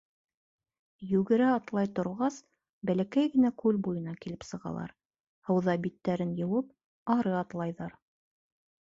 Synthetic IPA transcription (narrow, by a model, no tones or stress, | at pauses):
jʉɡɘ̆ɾæɑt̪lˠɑjt̪ŏɾʁɑs | bælækæjɡɘ̆nækʉlbujɤ̆nɑkilɘpsɤ̆ʁɑ̰lˠɑ̰ɾ | hɤ̆wðɑbit̪ːæɾɘnjɤ̆wɤp̚ | ɑɾɤɑt̪lˠɑjðɑɾ